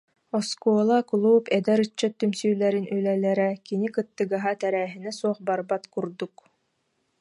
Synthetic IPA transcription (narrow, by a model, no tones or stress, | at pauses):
ɔskuɔːlˠakulˠuːpɛd̪ɛɾɯt͡ɕːat̪ːymsyːlɛɾinylɛlɛɾɛkinikɯt̪ːɯɡaɦat̪ɛɾɛːɦinɛsuɔχbaɾbat̪kuɾd̪uk